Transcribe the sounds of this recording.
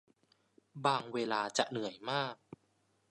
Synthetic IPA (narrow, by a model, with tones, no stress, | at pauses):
baː˧ŋweː˧laː˧t͡ɕa̰˨˩ʔnɯ˩˦əjmaː˥˩k̚